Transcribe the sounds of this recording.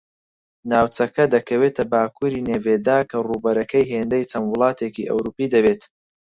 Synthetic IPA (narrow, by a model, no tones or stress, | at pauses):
naːwt͡sɐkɐd̪ɐkʰɐweːt̪ʰɐbaːkʰuɾiːneːved̪aːkʰɐruːbɐɾɐkɐjɦeːnd̪ɐjt͡sɐnwʊlˠɑːt̪ʰeːkḭʔɐ̰wɾuːpiːd̪ɐbeːt̪